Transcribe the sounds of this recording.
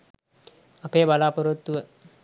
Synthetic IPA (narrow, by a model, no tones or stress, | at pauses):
ɐpeːbalaːpoɾut̪ːuʋə